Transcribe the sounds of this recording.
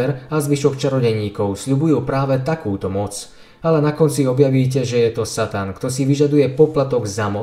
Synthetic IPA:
ɛɾazʋiʃɔkt͡ʃaɾɔɟɛɲiːkɔʊsʎubujuːpɾaːʋɛt̪akuːt̪ɔmɔt͡s | alɛnakɔnt͡siɔbjaʋiːc̬ɛʒɛjɛt̪ɔsat̪ankt̪ɔsiʋiʒad̪ujɛpɔplat̪ɔɡzamɔ

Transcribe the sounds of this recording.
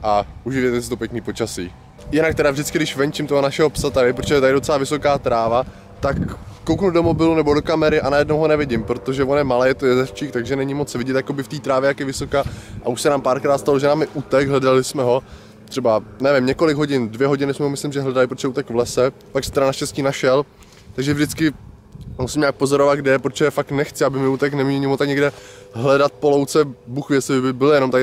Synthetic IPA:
ʔaʔuʒɪvjɛt̪ɛsɪt̪o̞pjɛkniːpo̞t͡ʃasiː | jɪnak̚t̪ɛɾavʒdɪtt͡skɪdɪʃvɛɲt͡ʃɪmt̪oɦonaʃɛɦo̞psat̪aɾɪpɾot͡ʃʰɛt̪adɪdo̞t͡sɛlaːvɪso̞kaːt̪ɾaːva | t̪akːowknudo̞mo̞bɪlunɛbo̞dokamɛɾɪʔanajɛdnowɦonɛvɪɟɪmpɾo̞t̪oʒɛvonjɛmalɛːjɛt̪ojɛzɛft͡ʃiːkt̪aɡʒɛnɛɲɪmot͡svɪɟɛt̪jako̞bɪft̪iːt̪ɾaːvjɛjakɪvɪso̞kaːʔauʃsɛnaːmpaːɾkɾaːt̪st̪aloʒɛnamɪʔut̪ɛɡɦlɛdalɪsmɛɦo̞ | t̪r̥ɛbanɛvɪmɲɛko̞lɪɡɦo̞ɟɪndvjɛɦo̞ɟɪnɪsmɛɦomɪslɪmʒɛɦlɛdalɪpɾot̪jɛuːt̪ɛkvlɛsɛ | paksɛ̥t̪ɛɾanaʃcɛsciːnaʃɛl | t̪aɡʒɛvʒdɪt͡skɪ | musɪmɲaːk̚po̞zoɾovad̪̚ɡdɛɛpɾot͡ʃɛjɛfaknɛxt͡sɪabɪmɪuːt̪ɛknɛmɲɛlɲɪmut̪akɲɛɡdɛɦlɛdat̪̚polowt͡sɛbuxvjɛsɪbɪbɪljɛnomt̪ak

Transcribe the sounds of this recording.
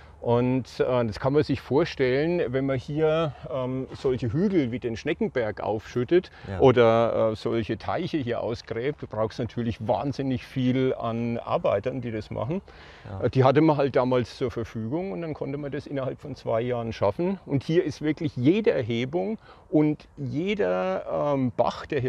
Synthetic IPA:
ʔʊntʔɛːd̥askʰanmanzɪçfoːɐʃtɛlənvɛnmɐhiːɐʔɛːmz̥ɔlçəɦyːɡl̩viːdeːnʃnɛkŋ̩bɛɐkʔa̰ʊfʃʏtətʔoːdɐʔɛ̰ːz̥ɔlçətʰa̰ɪçəhiːɐʔa̰ʊsɡ̥ʁɛːp̚t̚d̥uːb̥ʁaʊxstnatʰyːɐlɪçva̰ːnzɪnɪçfiːla̰nʔa̰ɐbaɪtɐndiːdasmʔa̰χn̩ | d̥iːɦatəmanɦalt̚d̥aːmaːlst͡suːɐfɛɐfyːɡʊŋʊntd̥ankʰɔntəmandasʔɪnɐhalpfɔnt͡sv̥a̰ɪjaːʁənʃafn̩ʊnthiːɐɪstv̥ɪɐklɪçjeːdəɛɐɦeːbʊŋ | ʔʊntjeːdɐʔɛmb̥a̰χd̥eːɐ

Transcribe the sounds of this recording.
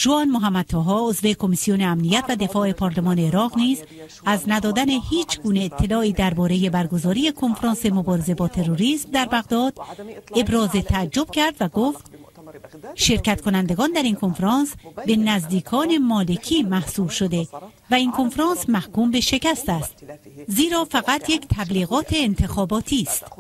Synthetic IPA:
ʒ̥oɒːnmoɦæmːæd̪̚t̪ʰɒːɦɒːozve̞kʰo̞misijoneæmnijæt̪væd̪e̞fɒːe̞pʰɒːɾlemɒːne̞ːɾɒːʁniːz | æznæd̪ɒːd̪æne̞hiːt͡ʃʰɡuːneːt̪ʰːe̞lɒːiːd̪æɾbɒːɾe̞je̞bæɾɡo̞zɒːɾiːje̞kʰo̞nfɾɑːnse̞mo̞bɒːɾe̞ze̞bɒːt̪ʰe̞ɾoɾismd̪æɾbæɣd̪ɒːd̪e̞bɾɒːze̞t̪ʰæːd͡ʒːo̞b̥̚cʰæɾd̪væɡoft̪ | ʃe̞ɾcæt̪kʰo̞nænd̪e̞ɡɒːnd̪æɾiːnkʰo̞nfɾɑːnsbe̞næzd̪iːkʰɒːne̞mɒːle̞cʰiːmæhsuːbʃod̪e̞ | væinkʰo̞nfɾɒːnsmæhkuːmbe̞ʃe̞cæst̪æst̪ziːɾɒːfæɣæt̪ʰje̞ct̪ʰæbliːɣɒːt̪ʰe̞ːnt̪ʰe̞xɒːbɒːt̪ʰiːst̪

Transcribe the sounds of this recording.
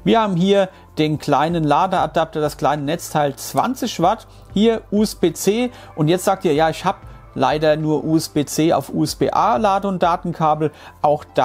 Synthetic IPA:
viːɐhaːbm̩ɦiːɐ | d̥eːnklaɪnənlaːdəadap̚tɐd̥askl̥aɪnənɛt͡stʰaɪlt͡sv̥a̰nt͡sɪçv̥aɐt | hiːɐʔuːɛsb̥eːt͡seː | ʔʊntjɛt͡stz̥aːk̚tʰiːɐjaːɪçhaːbə | la̰ɪdɐnuːɐʔuːɛsb̥eːt͡seːa̰ʊfʔṵːɛsb̥ḛːʔaːlaːdəʊnt̚d̥aːtn̩kʰaːbl̩ʔaʊxd̥a

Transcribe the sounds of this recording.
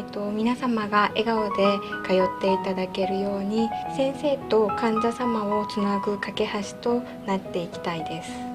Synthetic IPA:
t̪o̞mʲinasamaɡaʔe̞ɡaod̪e̞kajo̞t̪ːe̞it̪ad̪ake̞ɾɯ̟jo̞ːɲ̟isẽ̞ɰ̃se̞ːt̪o̞kãɲ̟d͡ʑasamao̞t͡sɨnaɡɯ̟kake̞haɕi̥t̪o̞ | nat̪ːe̞ikʲi̥t̪aid̪e̞sɨ̥

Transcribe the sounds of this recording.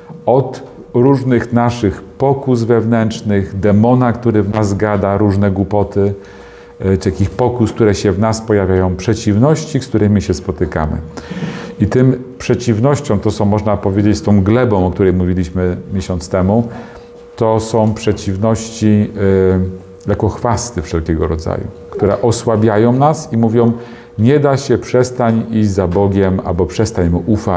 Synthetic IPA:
ɔt̪ | ɾuʐnɘxnaʂɘxpɔkuzvɛvnɛnt͡ʂnɘɣd̪ɛmɔnakt̪uɾɘvnazɡad̪aɾuʐnɛɡwupɔt̪ɘ | akʲixpɔkuskt̪uɾɛɕɛvnaspɔjavʲajɔ̃w̃pʂɛt͡ɕivnɔɕt͡ɕikskt̪uɾɛmʲiɕɛspɔt̪ɘka̰mɘ̰ | it̪ɘmpʂɛt͡ɕivnɔɕt͡ɕɔ̃w̃t̪ɔsɔ̃w̃mɔʐnapɔvʲjed͡ʑet͡ɕst̪ɔ̃w̃ɡlɛbɔ̃w̃ɔk̚t̪uɾɛjmuvʲilʲiɕmɘmʲjeɕɔnt̪st̪ɛmu | t̪ɔsɔ̃w̃pʂɛt͡ɕivnɔɕt͡ɕi | jakɔxfast̪ɘfʂɛlkʲɛɡɔɾɔd̪za̰jṵ | kt̪uɾɛ̰ʔɔswabʲjajɔ̃w̃nasimuvʲjɔ̃w̃ | ɲɛd̪aɕɛpʂɛst̪aɲiʑd͡ʑʲzabɔɡʲɛma̰lbɔpʂɛst̪aɲmuʔufa

